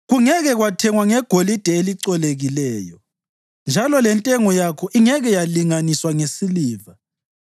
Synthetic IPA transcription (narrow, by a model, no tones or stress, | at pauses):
ɣuŋɛɣɛɣwatʰɛŋwaŋɛɡ̥ʱolid̥ʱɛeliǀɔleɣilɛːjɔ | nd͡ʒʱalɔlɛntʼɛŋɔjakʰɔʔiŋɛɣɛjaliŋaniswaŋesiliːva